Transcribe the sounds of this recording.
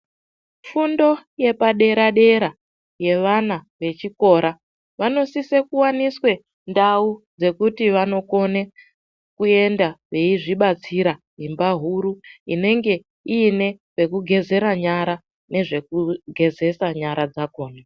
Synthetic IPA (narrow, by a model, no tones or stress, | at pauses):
fundo̞je̞paɗe̞ɾaɗe̞ɾa | je̞ʋanaʋe̞t͡ʃiko̞ːɾa | ʋano̞sisekuwaniswe̞ | ndaud͡ze̞kutiʋano̞ko̞ne | kue̞ndaʋe̞iʐiɓat͡siɾa | ɦimbaɦuɾuine̞ŋɡe̞ | iːne̞ | ʋe̞kuɡʱe̞ze̞ɾaɲaɾa | ne̞ʐe̞kuɡʱe̞ze̞saɲaɾad͡zakoːna